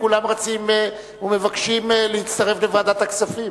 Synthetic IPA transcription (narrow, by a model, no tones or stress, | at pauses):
kulamʁat͡sim | ume̞vakʃimlehit̪t͡st̪aʁeflevaːd̪at̪aksafim